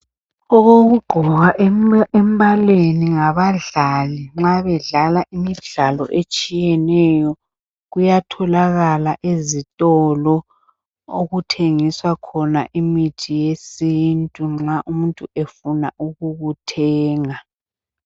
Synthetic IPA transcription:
ɔɣoɣuɡ͡ǃʱɔɣaʔembalweniŋaβaɮaliŋ͡ǁaβɛɮalaʔimiɮalɔ̰ʔet͡ʃʼijɛnɛjɔ | ɣujatʰɔlaɣalaʔezitʼɔlɔ | oɣutʰeŋiswakʰɔna̰ʔimitʰijesintʼuŋ͡ǁaʔumuntʼuefuna̰ʔuɣuɣutʰɛːŋa

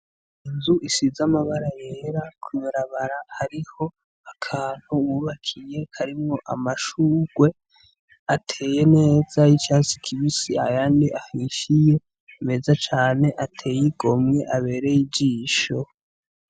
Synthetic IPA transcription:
inzuʔisizamaβaɾajeːɾakʰujoɾaβaɾahaɾiho̞ | akʰaːn̥huwuːβakʰije̞haɾimŋo̞ʔa̰maʃuːɡ̥we̞ | atʰe̞ːje̞ne̞ːz̥ajit͡ʃaːsi̥kʰiβisia̰jaːndiʔahiːʃije̞ | me̞ːzat͡ʃaːne̞ʔatʰe̞ːjiɡ̥o̞mŋe̞ʔaβe̞ːɾe̞jiɟiːʃo̞

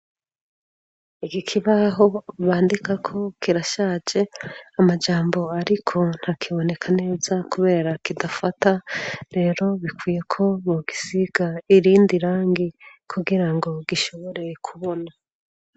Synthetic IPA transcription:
ikikʰiβaɦo̞βaːndikakʰo̞kiɾaʃaːd͡ʒe̞amad͡ʒaːmbo̞aɾikʰo̞n̥hakʰiβo̞ne̞kʰane̞ːzakuβe̞ːɾakidafataɾe̞ːɾo̞βikwiːje̞kʰo̞βoɡisiɡ̥aiɾiːndiɾaːŋɡikʰuɡiɾaŋɡo̞ɡiʃo̞βo̞ɾe̞kʰuβo̞na

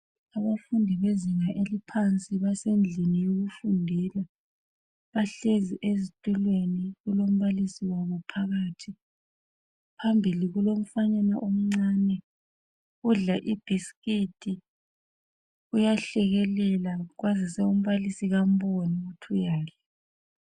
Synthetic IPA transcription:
aβafundʱiβeziŋaʔelipʰant͡sʼiβasend͡ɮʱinijoɣufundʱiːla | βaɬeziʔezitʼulweniɣulom̩βalisiwaβɔpʰaɣaːtʰi | pʰambʱiliɣulom̩faɲana̰ʔom̩ŋ͡ǀaːnɛ | uɮaʔib̥ʱiskitʰʼi | ujaɬɛɣɛlɛlaɣwazisɛum̩βalisiɣam̩βɔniutʰujaːkɛ

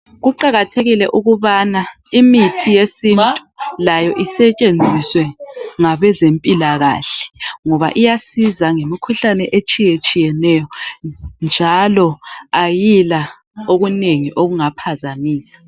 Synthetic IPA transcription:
ɣuǃaɣatʰeɣilɛʔuɣuβana | imitʰijesintʼulajɔʔisɛt͡ʃʼend͡zʱiswɛŋaβɛzempʼilaɣa̰ɬɛ̥ŋɔβa̰ʔijasizaŋemikʰuɬanɛʔet͡ʃʼijet͡ʃʼijɛnɛjɔ | nd͡ʒʱalɔajila | oɣuneŋiʔoɣuŋapʰazamiːsḁ

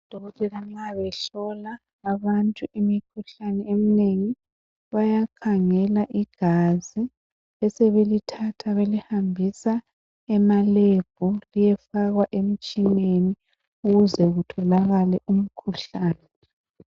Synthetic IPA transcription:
d̥ʱɔɣɔtʰʼɛlaŋ͡ǀaβɛɬɔlaː | βantʼuʔimikʰuɬanɛemineŋi | βajakʰaŋɛlaʔiɡ̥ʱazi | ɛsɛβelitʰatʰaβelihambʱisa | ɛmaleb̥ʱulijɛfaɣwaʔemit͡ʃʼineni | uɣuzɛɣutʰɔlaɣalɛʔum̩kʰuɬaːnɛ

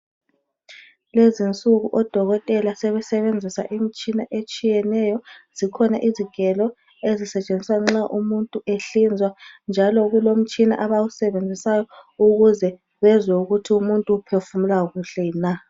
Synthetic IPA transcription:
lezint͡sʼuɣuʔɔd̥ʱɔɣɔtʼɛlasɛβɛsɛβend͡zʱisa̰ʔim̩t͡ʃʼinaʔet͡ʃʼijɛnɛjɔz̥ikʰɔnaʔiziɡ̥ʱɛlɔ | ezisɛt͡ʃʼend͡zʱi̥swaŋ͡ǁaʔumuntʼueɬind͡zʱwand͡ʒʱalɔɣulom̩t͡ʃʼina̰ʔaβawusɛβend͡zʱisajɔuɣuzɛ | βɛzwɛuɣutʰiumuntʼuːpʰefumulaɣuɬɛna

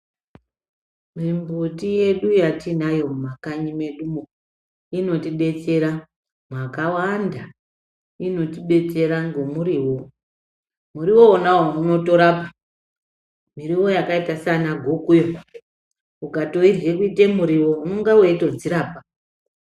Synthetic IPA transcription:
mimbutije̞ɗujatinajo̞makaɲime̞ɗumo | ino̞tiɓe̞t͡se̞ɾa | mwakawanda | ino̞tiɓe̞t͡se̞ɾaŋɡomuɾiːwo | muɾiwo̞ːnawouno̞to̞ɾapa | miɾiwo̞jakaitasanaɡʱokujo | ukato̞irwekuitemuɾiwo̞unoŋɡaweito̞d͡ziɾaːpa

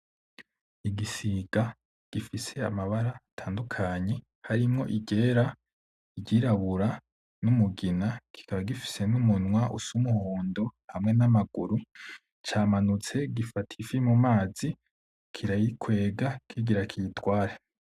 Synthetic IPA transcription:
iɡisiɡa | ɡ̥ifise̞a̰maβaɾaːtʰaːndukʰaɲe̞ | haɾimŋo̞̰ʔiɟe̞ːɾa | iɟiːɾaβuɾa | numuɡinakʰi̥kʰaβaɡifi̥se̞numunwaʔṵsumuhoːndo̞hamŋe̞namaɡuɾu | t͡ʃaːmanut͡se̞ɡifatʰifimumaːzi | kʰiɾajikʰwe̞ːɡakʰiɡiɾakʰijitwaːɾe

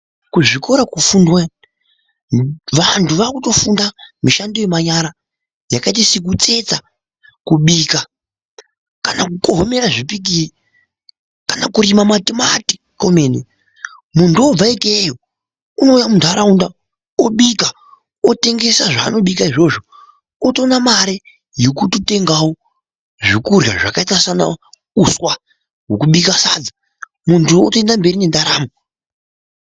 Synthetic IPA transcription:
kuʐiko̞ɾakufundwa | ʋantʰuʋakuto̞fundamiʃandojemaɲaɾa | jakait̬isik̬ut͡se̞t͡sa | kuɓiːka | kanakuko̞ɦome̞ɾaʐipik̬ii | kanakuɾimamatimati̥ | ko̞menḛ | mundob͡vaikejo | uno̞jamundʱaɾaunda | oɓika | ote̞ŋɡe̞saʐaːno̞ɓikaiʐo̞ʐo | oto̞namaɾe | jokutute̞ŋɡawo | ʐikurja̰ʐakaitasana̰ | uswa | ɦokuɓikasad͡za | muntuotendambe̞ɾine̞ndaɾaːmo

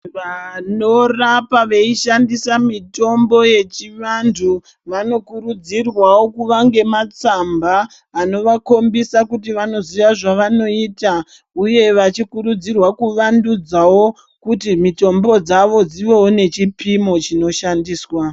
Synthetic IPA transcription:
ʋano̞rapaʋeiʃandisamito̞mbo̞je̞t͡ʃiʋandʰu | ʋano̞kuɾud͡zirwawo̞kuʋaŋɡe̞mat͡sambaː | no̞ʋako̞mbisakutiʋano̞ziʋaʐaʋano̞iːta | uje̞ʋat͡ʃikuɾud͡zirwakuʋandud͡zawo̞ | kutimito̞mbo̞d͡zaʋo̞d͡ziʋo̞one̞t͡ʃipʰimo̞t͡ʃino̞ʃandiːswa

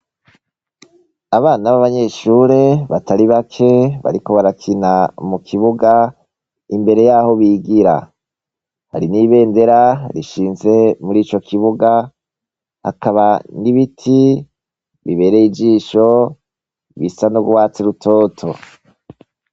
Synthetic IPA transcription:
aβaːnaβaβaɲe̞ʃuɾeβataɾiβakʰe̞βa̰ɾiko̞βaɾakʰinamukʰiβuɡa | imbe̞ɾe̞jaːho̞βiːɡiɾa̰ | ha̰ɾiniːβe̞ːnde̞ɾaɾiʃiːnze̞muɾiːt͡ʃo̞kʰiβuɡa | ha̰kʰaβaniβitʰi | βiβe̞ːɾeid͡ʒiːʃo̞ | βisanoɡuwaːt͡siɾutʰoːtʰo̞

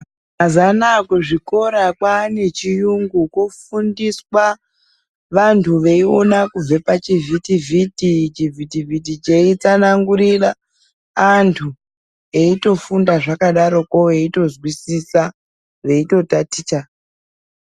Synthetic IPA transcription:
azanakuʐiko̞ɾakwane̞t͡ʃijuŋɡukwofundiswa | ʋantʰuʋe̞io̞nakub͡vepat͡ʃivitivʱitit͡ʃivʱitivitit͡ʃe̞it͡sanaŋɡuɾiraː | ntʰu | eito̞fundaʐakaɗaɾo̞koeito̞zwisisa | ʋe̞ito̞tatit͡ʃa

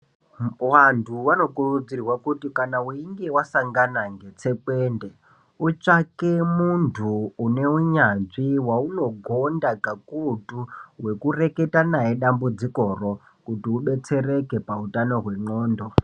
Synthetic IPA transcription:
wantʰuʋano̞kurud͡zirwakutikanauiŋɡe̞wasaŋɡanaŋɡe̞t͡se̞pende | ut͡ʂake̞muntʰuːne̞uɲanʐiwauno̞ɡʱo̞ndakakutuɦwe̞kure̞ke̞tanaɦeɗambud͡ziko̞ro̞ | kutiuɓe̞t͡se̞re̞ke̞pautano̞ɦwe̞ŋ͡ǃoːndo̞

